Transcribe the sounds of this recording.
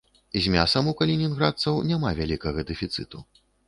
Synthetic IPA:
izʲmʲasɐmukɐlʲinʲinɣɾat̪sɐwnʲamavʲalʲikɐɣɐd̪ɛfʲit̪sɨt̪u

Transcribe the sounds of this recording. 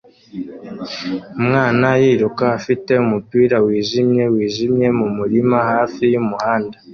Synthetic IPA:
mŋaːnajiːɾukaːfite̞umupiːɾawiːʒimɲe̞wiːʒimɲe̞mumuɾimahaːfijumuhaːnda

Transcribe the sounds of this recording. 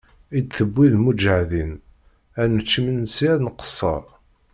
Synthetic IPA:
id̪θəbʷːiðmud͡ʒəʕðin | ænət͡ʃːəmənsiɾnqə̥sˤːɑ̰

